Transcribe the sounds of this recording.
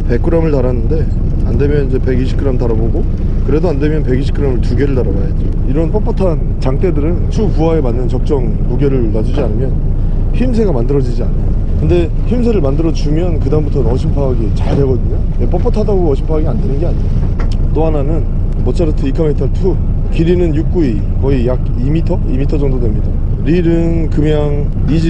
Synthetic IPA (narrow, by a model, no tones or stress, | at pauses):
pe̞k͈ɯɾʌmɯɭtaɾanːɯnde̞ | ande̞mjʌnid͡ʑe̞pe̞ɡiɕʰi̥k͈ɯɾʌmtaɾaboɡo | kɯɾe̞doande̞mjʌnpe̞ɡiɕʰi̥k͈ɯɾʌmɯɭtuɡe̞ɾɯɭtaɾabajad͡ʑo | iɾʌnp͈ʌp͈ʌtʰan | t͡ɕaŋt͈e̞dɯɾɯnt͡ɕʰupuaemanːɯnt͡ɕʌk̚t͡ɕ͈ʌŋ | muɡe̞ɾɯɭnad͡ʑud͡ʑianɯmjʌn | çims̬ʰe̞ɡamandɯɾʌd͡ʑid͡ʑia̰n | kɯnde̞ | çimsʰe̞ɾɯɭmandɯɾʌd͡ʑumjʌnkɯdaɯmbutʰʌnnʌɕʰimpʰaːɡit͡ɕaɭde̞ɡʌdɯɲo | jep͈ʌp͈ʌtʰadaɡoʌɕʰimpʰaɡiandenɯnɡeaɲi | t͈oɦananɯn | mʌt͡ɕʰaɾɯtʰɯikʰametʰʌtʰu | kiɾinɯnjuk̚k͈ui | kʌijaɡ | imitʰʌimitʰʌd͡ʑʌŋdodwe̞mɲida | ɾiɾɯŋkɯmjaŋ | id͡ʑi